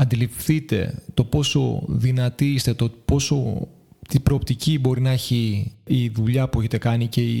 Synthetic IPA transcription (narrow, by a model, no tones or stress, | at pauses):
ɐnd̪ilifθit̪e̞̰t̪o̞po̞so̞̰ðinɐt̪iist̪e̞t̪opo̞so̞ | t̪ibɾo̞ːpt̪icibo̞ɾinɐeçiː | ðuʎɐpue̞çet̪e̞kɐnice̞i